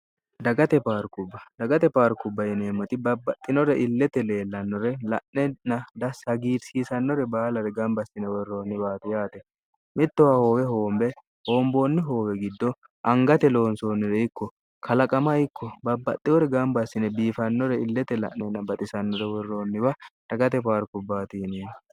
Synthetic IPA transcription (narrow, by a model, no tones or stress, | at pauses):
d̪ɐɡɐt̪ɛpaːɾkʊbːɐd̪ɐɡɐt̪ɛpaːɾkʊbːɐjɪneːmːɔt̪ɪbɐbːɐt̪ʼːɪnɔɾɛʔɪlːɛt̪ɛle̞ːlːɐnːɔɾɛlɐʔɛnɐd̪ɐsɐɡiːɾsiːsɐnːɔɾɛbaːlɐɾɛɡɐmbɐsɪnɛwɔrːo̞ːnːɪbaːt̪ɪjaːt̪ɛ | mɪt̪ːɔwaho̞ːwɛɦo̞ːmbɛ | ho̞ːmbo̞ːnːɪɦo̞ːwɛɡɪd̪ːɔ | ʔɐŋɡɐt̪ɛlo̞ːnso̞ːnːɪɾɛɪkːɔ | kʰɐlɐkʼɐmɐɪkʰːɔbɐbːɐ̰t̪ʼːɪwɔɾɛɡɐmbɐsːɪnɛbiːfɐnːɔɾɛɪlːɛt̪ɛlɐ̰ʔnɛnɐbɐt̪ʼɪsɐnːɔɾɛwɔrːoːnːɪbɐɾɐɡɐt̪ɛpaːɾkʊbːaːt̪ɪjɪneːmɔ